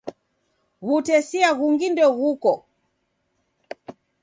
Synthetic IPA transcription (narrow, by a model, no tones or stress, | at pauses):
ɣutɛsiaɣuŋɡindɔɣukɔ